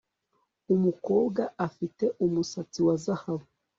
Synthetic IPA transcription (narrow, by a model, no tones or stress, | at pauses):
umukoːɡaafite̞ʔumusat͡siwazahaβu